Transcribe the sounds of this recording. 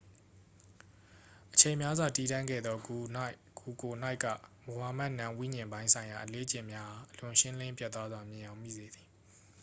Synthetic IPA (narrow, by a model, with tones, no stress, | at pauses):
ʔə̥t͡ɕʰẽ˨mja˦zwa˨ti˦˨dã˦˨ŋɡɛ̰˦˨d̪ðɔ˦ | ku˨ko˨na˦ɪʔka̰˦˨mo˨wa˦˨ma˦ʔnã˦˨wḭ˦˨ɲɪ̃˨mbã˦ɪ̃nsʰã˨ɪ̃ja˨ʔəle˦ət͡ɕɪ̰̃˦˨mja˦ha˨ʔəlʊ̃˨ʃɪ̃˦lɪ̃˦mpjɛ˦t̪wa˦zwa˨mjɪ̃˨jã˨ʊ̃mḭ˦˨ze˨d̪i˨